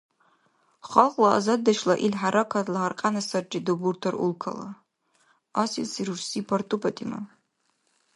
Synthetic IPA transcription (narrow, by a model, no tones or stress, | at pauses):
χalqʼlaa̰zadːaʃlaʔilħaɾʔakʰatʰʼlaɦarqʼanasard͡ʒʼidoburtʰarṵlkʰa̰la̰ | asisiɾursipʰartʼupʰatʼima̰